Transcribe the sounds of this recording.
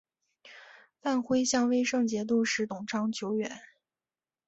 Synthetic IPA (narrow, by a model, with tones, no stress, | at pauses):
fa˥˩nxwe˥ɪɕjɑ˥˧ŋwe˥ɪʂɤ˥˧ŋt͡ɕjɛ˧˥t̪̬u˥˩ʂɻ̩˧˥t̪ʊ˨˩ŋʈ͡ʂʰɑ˥ŋt͡ɕʰjo˧˥ʊɥɛ˨˩˦n